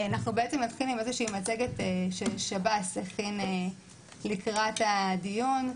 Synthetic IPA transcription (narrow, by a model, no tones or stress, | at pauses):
anaχnubeet͡se̞mnatχilimezeʃiːmat͡se̞ɡeteʃelʃabaseχine | likʁatadijun